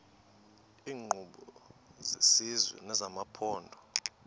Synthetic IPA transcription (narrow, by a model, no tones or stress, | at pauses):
iːŋ͡ǃʱuɓɔzesizwɛ̰nɛzamapʰɔːndʱɔ